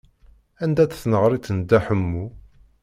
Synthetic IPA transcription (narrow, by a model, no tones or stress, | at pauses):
ænd̪æt͡sθnəʁɾˤit͡s̪ːənd̪æħəmːu